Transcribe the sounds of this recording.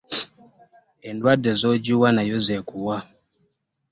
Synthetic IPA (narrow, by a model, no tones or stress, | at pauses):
ɛndwadɛzɔd͡ʒuwanajɔzɛkuwa